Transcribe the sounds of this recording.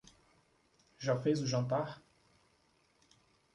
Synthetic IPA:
ʒãfezuʒɐ̃nt̪aɾ

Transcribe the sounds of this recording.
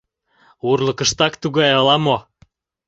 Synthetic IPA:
urlɤ̆kə̆ʃt̪ɑkt̪uɣɑjɤlɑmo

